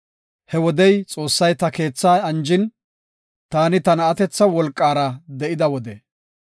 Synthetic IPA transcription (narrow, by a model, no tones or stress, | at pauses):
hɛwɔd̪ɛjt͡sʼo̞ːsːɐjt̪ɐke̞ːt͡sːaːɐnd͡ʒɪn | t̪aːnɪt̪ɐnɐːt̪ɛt͡sːɐwɔlkʼːaːɾɐd̪ɛʔɪd̪ɐwɔd̪ɛ